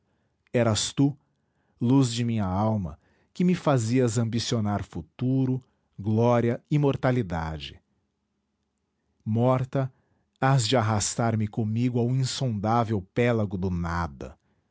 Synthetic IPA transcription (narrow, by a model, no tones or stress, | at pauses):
ɛɾɐst̪u | luzd͡ʒɪmĩɲɐawmɐ̰ | kɪmɪfaziɐzɐ̃mbisionaɾfut̪uɾʊ | ɡlɔɾiɐimoɾt̪alid̪a̰d͡ʒɪ | mɔɾt̪ɐ | azd͡ʒɪaɦast̪aɾmɪkõmiɡʊawũĩsõnd̪avewpɛlɐɡʊd̪ʊnad̪ɐ̰